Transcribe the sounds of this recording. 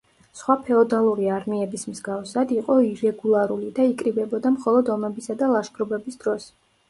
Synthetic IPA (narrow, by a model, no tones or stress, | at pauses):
sχwapʰɛɔd̪alˠuɾiaɾmiɛbismzɡafsad̪iqʼɔiɾɛɡulˠaɾulid̪aikʼɾibɛbɔd̪amχɔlˠɔd̪ɔmɛbisad̪alˠaʃɡʼɾɔbɛbisd̪ɾɔs